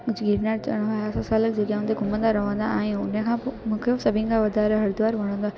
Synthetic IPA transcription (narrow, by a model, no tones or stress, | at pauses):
kʊd͡ʑɡiːɾnaːɾt͡ɕɐ̰ɽ̃ɦaɦsasaːlək̚d͡ʑekãɦʊ̃nd̪eɡʱʊmə̃nd̪aɾɐʋə̃nd̪a̰aːɦijũʊnẽkʰãːmʊ̃ːkʰosɐbʱɪ̃nkʰãʋɐd̪ʱaːɾeɦɐɾd̪ʋaːɾʋɐɽ̃ə̃nd̪a